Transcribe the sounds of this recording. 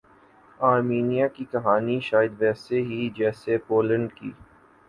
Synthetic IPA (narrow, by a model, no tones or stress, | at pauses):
aːɾmiːnijakikɐɦaːniʃaːjɪəd̪ʋɛːseɦid͡ʒɛːsepoːlə̃ɳɖkiː